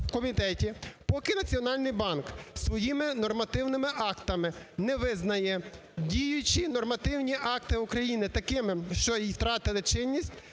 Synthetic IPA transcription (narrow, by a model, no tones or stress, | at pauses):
wkɔmʲit̪ɛtʲipɔkɪnɐt͡sʲiɔnɑlʲnɪjbɑnksʋɔjimɪnɔrmɐt̪ɪwnɪmɪʔɑkt̪ɐmɪnɛʋɪznɐjɛ | dʲijʊt͡ʃinɔrmɐt̪ɪwnʲiʔɑk̚t̪ɪukɾɐjinɪt̪ɐkɪmɪʃt͡ʃɔjijwt̪ɾɑt̪ɪlˠɪt͡ʃɪnʲːisʲtʲ